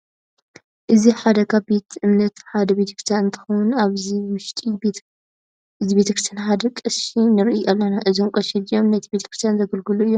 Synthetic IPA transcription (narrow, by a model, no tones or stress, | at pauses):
ʔɨziħad̪ɐkʰabe̞t̪ʰʔɨmnɐt̪ħad̪ɐbet̪ʰɐ̥kɾɨst̪ʰjanɨnt̪ʰɨ̥xɐwunaβziwʊʃt̪ʼi | ɨzibe̞t̪ɐkʰɾɨst̪janħad̪ɐkʼɨʃinɨɾɨʔijalːɐnaʔɨzomkʼɐʃilɨjo̞mnɐt̪ʰibet̪ʰɐ̥kɾɨst̪ijanzɐɡɐlɡɨluɨjːom